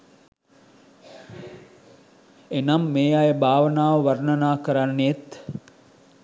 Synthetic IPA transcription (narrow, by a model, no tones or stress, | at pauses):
enamːeːjajəbʱaːʋənaːʋəʋarnənaːkəɾanːet̪